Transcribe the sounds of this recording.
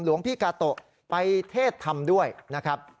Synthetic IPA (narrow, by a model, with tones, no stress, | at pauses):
mlu˩˦əŋpʰiː˥˩kaː˧t̪o˨˩ʔ | pa˧jt̪ʰeː˥˩t̪ʰːa˧mdu˥˩əjna˦˥kʰɾa˦˥p̚